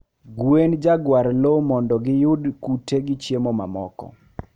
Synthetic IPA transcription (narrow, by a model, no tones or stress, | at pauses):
ɡwend͡ʒaɡwaɾlomɔndɔɡɪjʊdkuteɡɪt͡ʃjemɔma̰mɔkɔ̰